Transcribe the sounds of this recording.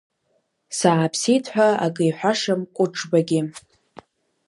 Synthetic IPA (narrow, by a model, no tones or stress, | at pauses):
saːpʰsijtʰħʷᶣaakʼɨjħʷᶣaʂɨmkʷʼʊʈ͡ʂʼbaɡʲɪ